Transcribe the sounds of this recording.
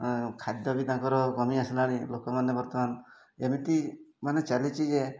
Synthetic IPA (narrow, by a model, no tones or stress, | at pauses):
kʰad̪jɔbid̪ãŋkɔɾɔkɔmiaslaɽilokɔmanebɔɾt̪ɔman | emit̪imanet͡ʃalit͡ʃʰid͡ʒe